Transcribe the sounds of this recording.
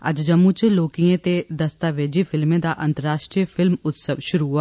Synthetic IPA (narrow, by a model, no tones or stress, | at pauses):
ə̰d͡ʒd͡ʒəmːũt͡ʃloːkijẽːt̪eːd̪əst̪aːʋeːd͡ʒeːpʰɪlmẽːd̪aːʔənt̪əɾaːʃʈɾiːəpʰɪlmʊt̪səʋʃʊɾuɦʊaː